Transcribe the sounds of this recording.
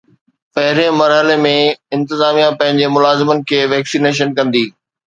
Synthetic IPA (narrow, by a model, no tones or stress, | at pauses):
pɐɦɪɾẽmɐɾɦəlemẽɪ̃nt̪ɪzaːmijãpɐ̃ɦɪ̃ɲd͡ʑemʊlaːzɪmənɪ̆kʰeːʋɛːksiːneːʃ̬ənkɐ̃nd̪iː